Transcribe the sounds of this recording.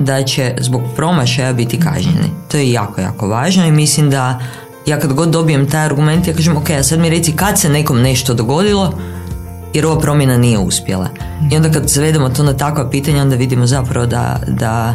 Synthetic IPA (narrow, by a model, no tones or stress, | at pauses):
d̪at͡ɕezbo̞ɡpɾo̞maʃajabit̪ika̰ʒɲḛnḭt̪o̞jeja̰ːko̞ja̰ːko̞ʋaːʒnoimislimd̪a | jaːkad̪ɡo̞d̪̚ːo̞bije̞mt̪ajaɾɡume̞nt̪jakaːʒemo̞ke̞jasad̪miɾe̞t̪sikad̪se̞ne̞ko̞mne̞ʃt̪o̞d̪o̞ɡo̞d̪ilˠo̞ | jeɾo̞ʋapɾo̞mje̞nanije̞ṵspje̞̰lˠa̰io̞nd̪akad̪sʋe̞d̪emo̞t̪o̞nat̪akʋapiːt̪aɲao̞nd̪aʋid̪imozapɾaʋo̞d̪a̰d̪a